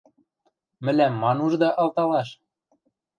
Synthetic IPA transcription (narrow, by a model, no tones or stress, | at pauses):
mɘ̆læmːɑnuʒd̪ɑʔɑlt̪ɑlɑʃ